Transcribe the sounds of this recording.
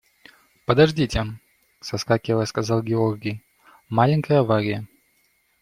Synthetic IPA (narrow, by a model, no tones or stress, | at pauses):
pəd̪ɐʐdʲitʲɪ | sɐskakʲɪvəəskɐzɑlˠɡʲɪorɡʲɪj | malʲɪŋʲkəjəvaɾʲɪjə